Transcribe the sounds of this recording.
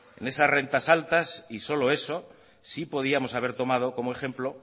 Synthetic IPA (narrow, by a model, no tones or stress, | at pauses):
e̞̰ne̞sazre̞nt̪asalt̪asiso̞lo̞e̞so̞ | sipo̞ð̞iamo̞saβ̞e̞ɾt̪omað̞o̞ko̞moe̞xe̞mplo̞